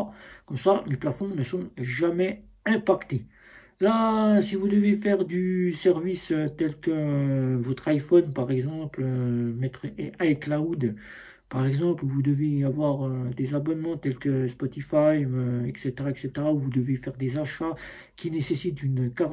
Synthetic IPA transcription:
kɔmsameplafɔ̃nəsɔ̃ʒamɛ | ɛ̃pakt̪e | lasivud̪əvefɛʁd̪ysɛʁvisøt̪ɛlkəvɔt̪χajfɔnpaʁɛɡzɑ̃plømɛt̪χɛʔajklawd̪ | paʁɛɡzɑ̃plvud̪əveavwaʁød̪ezabɔnmɑ̃t̪ɛlkəspɔt̪ifajøɛkset̪eʁaɛkset̪eʁauvud̪əvefɛʁd̪ezaʃa | kʲinesesit̪̚d̪ynkaʁ

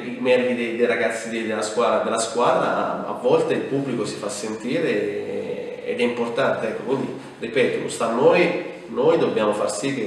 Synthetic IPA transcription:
imɛbːid̪ejd̪ejɾaɡat̪sːid̪ed̪elaskwaːd̪ɾad̪elːaskwaːd̪ɾa̰a̰vːɔlt̪eilpubːlikosi̥fasːent̪iːɾe | ɛ̰d̪ɛimport̪ant̪eɛkːokwind̪i | ripɛːt̪o̰st̪anːoj | nojd̪objaːmofarsik̟ːe

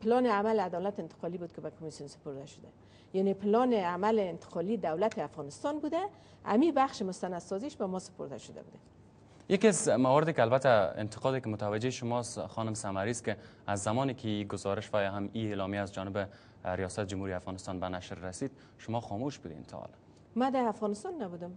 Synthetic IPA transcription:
pɪlɔnɪamalad̪ɔlat̪ɪnt̪ɪ̥qɔlibud̪̚kɪbakʰʊmisijunsɪ̥poɾd̪aʃʊ̥d̪a | janepɪlɔnɪamalɪːnt̪ɪ̥qɒlid̪awlat̪ɪafɣɔnɪst̪ɔnbud̪a | a̰mibaxʃɪmʊst̪anad̪sɔziʃbamɔsɪ̥poɾd̪a̰ʃʊd̪a̰bud̪a | jakiazmawɔɾɪd̪ekalbat̪aɪ̰nt̪ʰɪ̥qɔd̪ɪkɪmʊt̪awad͡ʒeʃʊmɔst̪xɔnʊmsamaɾist̪̚kɪ | azːamɔnikʰɪiɡʊzɒɾɪʃbajaɦamielɔmjaazd͡ʒɔnɪbɪ | ɾijɔsat̪ɪd͡ʒumhuɾiafɣɑnɪst̪ɑnbanaʃɾːasid̪ | ʃʊmɔxɔmoʃbud̪ḛnt̪ʰɔ̰l | mad̪aːfɣɔnɪst̪ɔnːabud̪ʊm

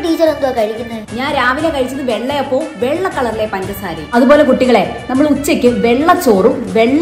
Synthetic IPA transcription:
ʈiːt͡ɕɐɾend̪okɐɻikʲːunːɐɲaːnɾaːʋilekɐɻit͡ɕːɐðɨʋeɭːejɐpːoːʋeɭːɐkːɐɭɐrlepɐndɐsa̰ːɾɐɐðupoːle̞kuʈːiɣɐɭe̞nɐmːɐɭut͡ɕːɐkʲːɨʋeɭːɐt͡ɕːoːrumʋeɭː

